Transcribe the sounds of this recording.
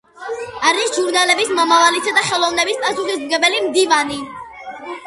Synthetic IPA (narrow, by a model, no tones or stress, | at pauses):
aɾisʒuɾnalɛbismɔmavalisad̪aχɛlˠɔvnɛbispʼasuχismɡɛbɛlimd̪ivani